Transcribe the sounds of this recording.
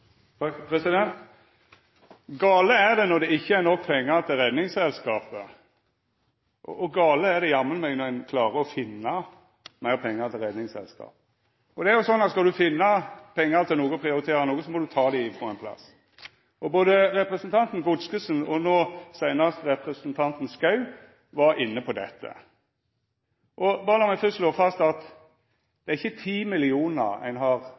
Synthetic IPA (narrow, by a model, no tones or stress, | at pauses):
pʰɾɛsɪd̪ɛnt̪ | ɡɑːləæd̪ɛnɔʁd̪ɛɪçːəæɾnɔkːpʰɛŋːɑʁt̪ʰɪlɾɛd̪nɪŋsɛlskɑːpə | ʔɔ̰ʔɔɡɑːləæd̪ɛjɑmːənmɛɡnɔɛnkʰlɑːɾəɔfɪnːɑ | mæɪʁpʰɛŋːɑʁt̪ʰɪlʁɛd̪nɪŋsɛ̰lskɑ̰ːp̚ | ɔd̪ɛæʁjʊsɔnːɑt̪skɑld̪ʉfɪnːɑpʰɛŋːəɾt̪ʰɪlnuːɡəpʰɾɪʊɾɪt̪ʰeːɾɑnuːɡəsɔmɔd̪ʉt̪ʰɑːd̪æfʁɔɛnpʰlɑ̰s | ʔɔboːd̪əɾɛpɾɛsənt̪ʰɑnt̪n̩ɡʊd̪skəsn̩ɔnoːsæɪnɑʁst̪əɾɛpɾɛsənt̪ʰɑnt̪n̩skɑʉ | ʋɑɾɪnːəpʰɔd̪ɛ̰t̪ʰːə̰ | ʔɔbɑːʁəlɔmæfʏst̪loːfɑst̪ɑt̪ | d̪̥ɛæɾɪçːət̪ʰiːmɪlɪuːnəʁæ̰ɪnɦɑʁ